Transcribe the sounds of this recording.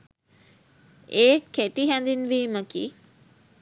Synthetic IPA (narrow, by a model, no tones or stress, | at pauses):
eːkʰːeʈiɦɛnd̪inʋiːməkḭ